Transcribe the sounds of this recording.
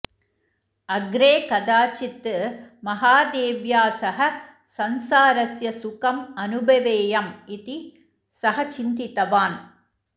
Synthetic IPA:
ɐɡɾeːkɐd̪aːt͡ʃɪt̪ːɯmɐɦaːd̪eːʋjaːsɐɦɐ | sɐnsaːɾɐsjɐsʊkɐmɐnɯbʱɐʋeːjɐmɪt̪i | sɐɦɐt͡ʃɪnd̪ɪt̪ɐʋaːn

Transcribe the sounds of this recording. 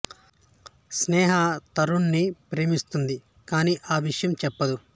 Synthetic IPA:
snɛːɦat̪ɐɾunːipɾeːmist̪und̪i | kaːniːʔaːʋiʂɐjɐmt͡ʃɛpːɐd̪u

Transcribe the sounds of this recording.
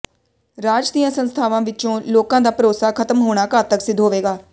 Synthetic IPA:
ɾaːd͡ʒd̪ijãːsənst̪ʰaːʋãːʋɪt͡ʃõːloːkãːd̪aːpɾoːsaːkʰət̪əmɦoːɽ̃aːkaːt̪əksɪd̪ʱɦoːʋeːɡaː

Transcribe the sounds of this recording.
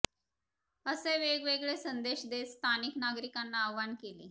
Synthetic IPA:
əseʋeɡʋeɡɭesənd̪eɕd̪est̪ʰaniknaɡɾikanːaəʋʋankeliː

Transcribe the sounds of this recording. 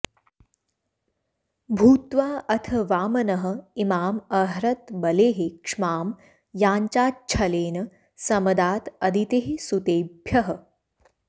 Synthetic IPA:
bʱuːt̪ʋaːʔɐt̪ʰɐʋaːmɐnɐɦə̆imaːmɐɦɾɐt̪bɐleːɦekʂmaːm | jaːɲt͡ʃaːt̚t͡ʃʰɐleːnɐ | sɐmɐd̪aːt̪ɐd̪ʱit̪eːɦesut̪eːbʱjɐɦə̆

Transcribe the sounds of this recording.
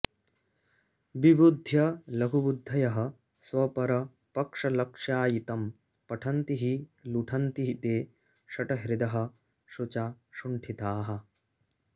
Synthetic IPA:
bibud̪ʱjɐlɐɡʱubud̪ʱːɐjɐɦɐ | swɐpɐɾɐ | pɐkʂɐlɐkʂjaːjit̪ɐm | pɐʈʰɐnt̪iɦiluʈʰɐnt̪iɦit̪eː | ʃɐʈɐɦɾid̪ɐɦɐ̆ | ʃut͡ʃaʃuɳʈʰit̪aːɦɐ̆

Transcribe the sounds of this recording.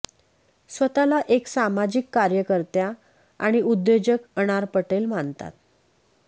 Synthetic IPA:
sʋət̪alaʔeksamad͡ʑikːaɾjəkəɾt̪ja | a̰ɽ̃iud̪ːed͡ʑəkəɽ̃aɾpəʈelmant̪a̰t̪̚

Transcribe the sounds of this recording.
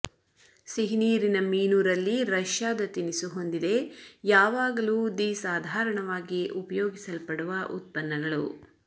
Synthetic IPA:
siɦiniːɾinɐmiːnuːɾɐlːiɾɐʃjaːd̪ɐt̪inisuɦo̞nd̪id̪e̞jaːʋaːɡɐluːd̪isaːd̪ʱaːɾɐɳɐʋaːɡiʔupɐjoːɡisɐlpɐɽuʋɐʔṵt̪̚pɐnːɐɡɐɭṵ

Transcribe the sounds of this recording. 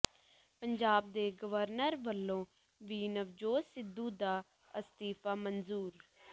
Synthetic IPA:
pəɲd͡ʒaːb̚d̪eːɡəʋəɾnəɾbəlːõː | ʋiːnəʋd͡ʒoːsɪd̪ːuːd̪aː | əst̪iːpaːmənzuːɾ

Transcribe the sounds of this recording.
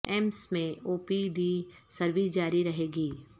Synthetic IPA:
ɛmsmẽoːpiɖi | sɐɾʋisd͡ʒaːɾiɾɐɦeːɡiː

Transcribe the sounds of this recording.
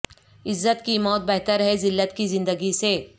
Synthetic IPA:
ɪzːət̪kimɔːt̪̚bɛɦt̪əɾɦɛzɪlːət̪kizɪ̃nd̪əɡiseː

